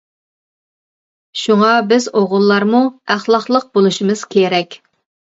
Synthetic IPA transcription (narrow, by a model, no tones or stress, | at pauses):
ʃuŋɑbɪzoʁʊlˠːɑɾmuæχlˠɑχlˠəq̚bolˠuʃimɨz̥kʲʰeɾɛkʲ